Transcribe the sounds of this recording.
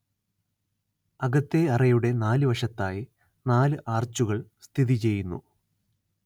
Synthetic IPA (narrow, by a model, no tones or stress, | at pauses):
ɐɣɐt̪ːe̞ɐrɐjuɽe̞naːlɨʋɐʂɐt̪ːaːji | naːlɨʔaːrt͡ɕːuɣɐɭst̪ʰiðit͡ɕe̞jːunːṵ